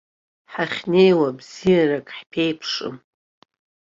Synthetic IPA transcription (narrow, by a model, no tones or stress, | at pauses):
ħaχʲne̞jwabzijarakʼħpʰejpʰʂʼɨ̰m